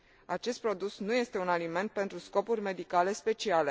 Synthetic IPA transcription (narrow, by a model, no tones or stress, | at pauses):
at͡ʃe̞st̪̚pɾo̞d̪usnuje̞st̪e̞unalime̞nt̪̚pe̞nt̪ɾusko̞purʲme̞d̪ikale̞spe̞t͡ʃiale̞